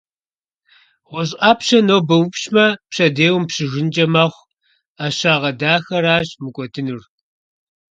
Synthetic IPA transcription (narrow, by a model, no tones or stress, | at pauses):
ʁʷʊɕ̬aːpɕɐnoːbɐwpɕmɐpɕɐdeːwʊmpɕɪʒɪnd͡ʒʼɐmaːχʷ | aːʃɕaːʁɐdaːxɐɾaːɕmɨkʷʼɔdʰɨnur